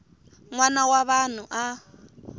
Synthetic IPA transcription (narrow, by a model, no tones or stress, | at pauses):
ŋwanawaβan̤uʔa